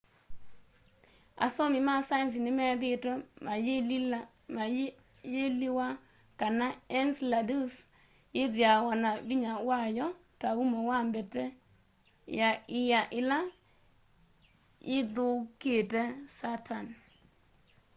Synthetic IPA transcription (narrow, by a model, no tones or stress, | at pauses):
a̰sɔmɪmasajns̬ɪnɪmɛðɪtɔmajeli | maj | jeliwa | kanaɛnsladus | jɪðjawanabiɲawajɔ | taumɔwambɛtɛ | jaɪjaʔɪla | ɪðʊketɛsatan